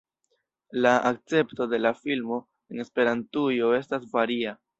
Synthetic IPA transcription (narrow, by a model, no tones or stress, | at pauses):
laʔak̚t͡se̞pto̞de̞lafilmo̞ | e̞ne̞spe̞ɾantujo̞e̞stasvaɾia